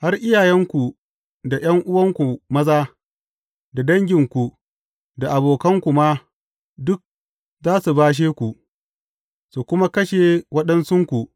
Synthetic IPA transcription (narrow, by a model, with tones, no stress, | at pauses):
ha˦rʔɪ˦jaː˨jɛ˦ŋkʷu˨ | da˨j̰ɐ˦ŋʔʊ˦wɐ˦ŋkʷu˨mɐ˦zaː˦ | da˨dɐ˦ŋɡʲɪ˨ŋkʷu˨ | da˨ʔa˨boː˨kɐ˦ŋkʷu˨ma˦ | dʊ˦k̚ | zaː˦su˨baː˦ʃ̬eː˦kʷu˨ʔ | su˨kʷʊ˦ma˦kɐ˦ʃeː˨wɐ˦ɗɐ˦nsʊ˦ŋkʷu˨ʔ